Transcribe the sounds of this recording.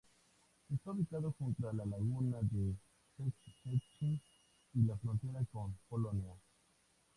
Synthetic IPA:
hist̪oɾikaðokɔ̃nt̪ɾalalaɣunade | set͡ʃiket͡ʃi | ilafɾɔ̃nt̪iɾakɔ̃npolonja

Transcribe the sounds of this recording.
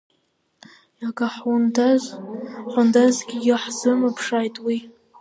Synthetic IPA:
akʼaħu | ħʷʊndazɡʲijɪħzɨmapʰʂajtʼwi

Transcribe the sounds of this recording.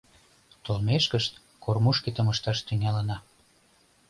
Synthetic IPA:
t̪olmeʃkəʃt̪ | kormuʃket̪əməʃt̪ɑʃt̪yŋælənɑ

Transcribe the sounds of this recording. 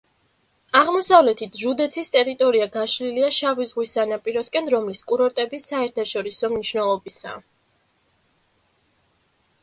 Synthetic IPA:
aʁmɔsavlɛt̪ʰit̪ʰʒud̪ɛt̪sʰist̪ʼɛɾit̪ʼɔɾiaɡaʃliliaʃavizʁwisanapʼiɾɔskʼɛnɾɔmliskʼuɾɔɾt̪ʼɛbisaɛɾt̪ʰaʃɔɾisɔmniʃnɛlˠɔbisa̰

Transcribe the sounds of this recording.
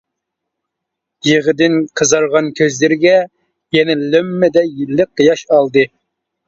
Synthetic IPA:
jeʁəd̪ɪnqʰəzɑɾʁɑnkʲʰøzlɪɾɪɡʲɛ | jɛnɛlømːɪd̪ɛjilːɨq̚ːəjɑʃɑlˠd̪ɨ

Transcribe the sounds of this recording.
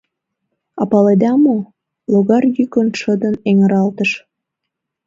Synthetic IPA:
ɑpɑled̪ɑmo | loɣɑrjykənʃəd̪əneŋə̆ɾɑlt̪əʃ

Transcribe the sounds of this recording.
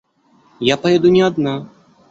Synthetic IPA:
japɐjɛd̪unʲɛad̪na

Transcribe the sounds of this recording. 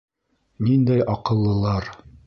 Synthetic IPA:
nind̪æjʔɑqɤ̆lˠːɤ̆lˠɑɾ

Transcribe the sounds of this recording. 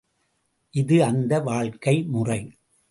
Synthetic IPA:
ʔɪðɯɐnd̪ɐʋaːɭkɐɪmʊrɐɪ

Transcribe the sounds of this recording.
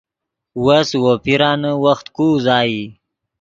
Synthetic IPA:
waswopiɾɑːnəwaxt̪kuːzɑːji

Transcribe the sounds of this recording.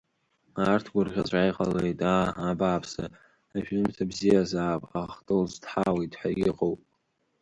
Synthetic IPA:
artʰɡʷʊrʁʲat͡ɕʷʼajqʼalejtʼaːbaːpʰsa | aʒᶣɨmtʰabzijazaːpʼa̰χtʼɨlztħawejtʼħʷᶣa̰ɡʲɪqʼowpʼ

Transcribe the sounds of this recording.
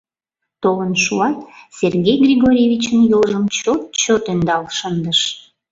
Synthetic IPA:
t̪olənʃuɑt̪sʲerɣʲejɡrʲiɣoɾʲevʲit͡ɕənjolʒəmt͡ɕot̪̚t͡ɕot̪ønd̪ɑlʃənd̪əʃ

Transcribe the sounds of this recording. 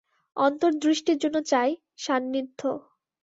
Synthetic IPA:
ɔnt̪oɾd̪ɾiʃʈiɾd͡ʑonːot͡ɕae | ʃanːid̪ʱːo

